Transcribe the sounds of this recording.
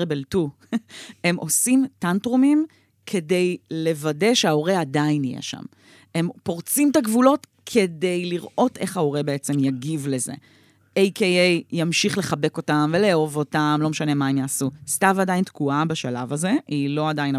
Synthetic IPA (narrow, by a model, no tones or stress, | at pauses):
ebeltu | e̞mʔo̞simtantʁumim | kʰe̞de̞jle̞vade̞ʃeao̞ʁeadainijḛʃa̰m | e̞mpo̞ʁt͡simt̪aɡvulo̞t | kʰe̞de̞jliʁʔo̞te̞χao̞ʁebe̞et͡se̞mjaɡivle̞ze̞̰ | ejkʰejejjamʃiχle̞χabe̞ko̞tamve̞leovo̞tamlo̞meʃane̞maemjaːsustavadajintkuabaʃalavaze̞iloadajin